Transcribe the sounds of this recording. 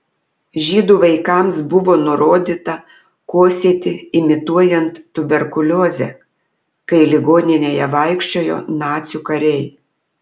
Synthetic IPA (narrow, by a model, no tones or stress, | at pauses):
ʒʲiːd̪uːʋɐɪkɐˑmsbʊʋoːnʊɾoːd̪ʲit̪ɐ | koːsʲiɛt̪ʲɪɪmʲɪt̪uɔjɛnt̪ːʊbʲɛɾkʊlʲoːzʲɛ̰ | kɐɪlʲɪɡoːnʲɪnʲeːjɛʋɐɪkʃʲt͡ʃʲoːjo̰ːnɑːt̪sʲukɐɾʲɛɪ